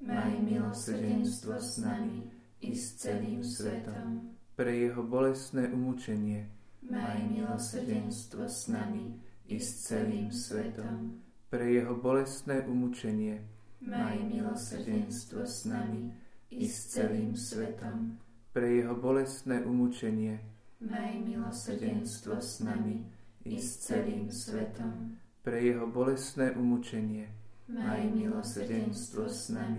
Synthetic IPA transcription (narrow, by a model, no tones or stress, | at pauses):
najmilɔsɛnst̪ʋɔsnami | ist͡sɛliːmsʋɛt̪ɔm | pɾɛjɛɦɔbɔlɛst̪nɛːʔumut͡ʃɛɲɪɛ | milɔsɟɛnst̪ʋɔsnami | ist͡sɛliːmsʋɛt̪ɔm | pɾɛjɛɦɔbɔlɛst̪nɛːʔumut͡ʃɛɲɪɛ | najmilɔsɟɛst̪ʋɔsnmiist͡sɛliːmsʋɛt̪ɔm | pɾɛjɛɦɔbɔlɛst̪nɛːʔumut͡ʃɛɲɪɛ | amilɔsɟɛɛnst̪ʋɔsnami | ʔist͡sɛliːmsʋɛt̪ɔm | pɾɛjɛɦɔbɔlɛst̪nɛːʔumut͡ʃɛɲɪɛajmilɔsɾɟɛnst̪ʋɔsnami